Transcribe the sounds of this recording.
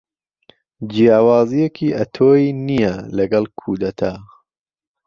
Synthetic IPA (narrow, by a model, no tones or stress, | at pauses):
d͡ʒijaːwɑːzijekʰiʔɐt̪ʰoːjinijɐlɐɡɐlkʰuːd̪ɐt̪ʰa